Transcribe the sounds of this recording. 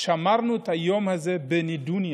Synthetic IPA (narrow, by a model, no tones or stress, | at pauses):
ʃamaɾnut̪ajɔmhazɛbɛnid̪uni